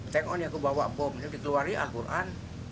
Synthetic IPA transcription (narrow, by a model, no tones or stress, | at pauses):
t̪ɛŋɔnjakubawa̰ʔbɔmd͡ʒudikəluariʔa̰lkurʔan